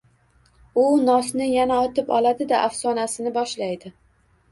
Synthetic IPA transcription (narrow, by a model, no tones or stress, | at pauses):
ʊnɒsnɪjanaɒt̪ʰɪpɒ̰lˠad̪ɪd̪aʔafsɒnasɪnɪbɒʃlajd̪ɪ